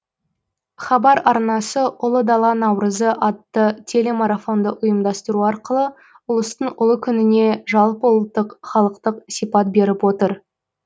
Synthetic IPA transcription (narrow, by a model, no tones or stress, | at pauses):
χɑbɑɾɑɾnɑsəʔʊlˠəd̪ɑlˠɑnɑwɾəzəʔɑt̪ːət̪ʲʰe̞le̞maɾafo̞nd̪əʔʊjəmd̪ɑst̪əɾuɑɾqəlˠə | ʊlˠəst̪əɴʊlˠəkʲʰʏnɪne̞ʒɑlˠpolˠət̪ːəqχɑlˠəqt̪əqsijpɑt̪̚be̞ɾɪpwo̞t̪əɾ